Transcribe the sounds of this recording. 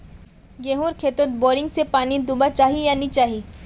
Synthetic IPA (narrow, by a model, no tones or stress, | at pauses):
ɡeɦũɾkʰeːt̪ot̪̚boːɾɪ̃ŋɡsepaːnid̪ʊbat͡ʃaːɦijanit͡ʃaːɦi